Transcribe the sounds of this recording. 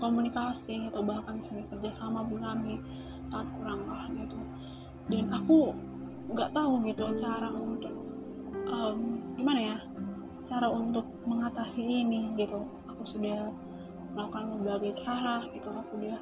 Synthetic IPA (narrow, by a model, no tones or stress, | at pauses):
komunikasiat̪awbahkansuɡakərd͡ʒasamabəŋkami | saːt̪̚kuɾaŋlahɡit̪u | danaku | ŋɡaʔt̪auɡit̪ut͡ʃaɾaunt̪ʊk̚ | ʔəmɡimanaja | t͡ʃaɾaunt̪ʊk̚məŋat̪asiːniɡit̪u | akusudah | məlaukanməmbaɡajt͡ʃaɾaɡit̪uakudia